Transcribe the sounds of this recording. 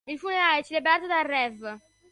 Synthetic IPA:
ilfuneɾaːɛt͡ʃːelebɾaːt̪od̪arːɛv

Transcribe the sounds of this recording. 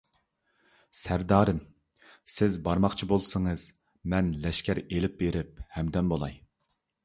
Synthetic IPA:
sæɾd̪ɑːɾɨm | sɪzbɑɾmɑχt͡ʃʰibolˠsɨŋɨz̥ | mɛnlɛʃkʲʰæɾelɪp̚beɾɪp̚hɛmd̪ɛnbolˠɑ̰j

